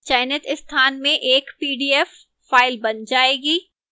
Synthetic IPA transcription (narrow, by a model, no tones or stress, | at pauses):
t͡ʃaːɪnət̪ɪst̪ʰaːnmẽʔeːkpiːɖiɛfː | aːɪlbɐnd͡ʒaːeːɡiː